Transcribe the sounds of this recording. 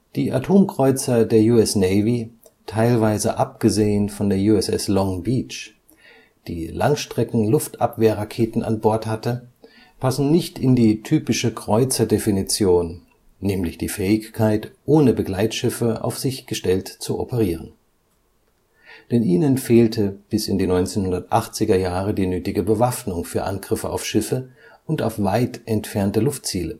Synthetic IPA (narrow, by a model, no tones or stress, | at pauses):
d̥iːʔa̰tʰoːmkʁ̥ɔʏt͡sɐdeːɐjuːɛsnɛɪvi | tʰaɪlvaɪzə̰ʔapɡ̥əzeːənfɔndeːɐjuːɛsɛ̰slɔŋbiːt͡ʃ | d̥iːla̰ŋʃtʁ̥ɛkŋ̩lʊftʔa̰pv̥eːɐʁakʰeːtn̩ʔa̰nbɔɐthatə | pʰasn̩nɪçtʰɪndiːtʰyːpɪʃəkʁ̥ɔʏt͡sɐdefinit͡sjoːnː | ɛːmlɪçd̥iːfɛːɪçkʰaɪtʔoːnəbəɡlaɪtʃɪfəʔa̰ʊfz̥ɪçɡ̥əʃtɛltt͡suʔɔ̰pəʁ̞iːʁən | d̥ɛnʔiːnənfeːltʰəb̥ɪsɪndiːnɔʏnt͡seːnhʊndɐtʔaχt͡sɪɡɐjaːʁ̞ədiːnøːtɪɡəbəvafnʊŋfyːɐʔa̰nɡʁɪfəa̰ʊfʃɪfə | ʔʊnta̰ʊfv̥aɪtʔɛntfɛɐntəlʊft̚t͡siːlə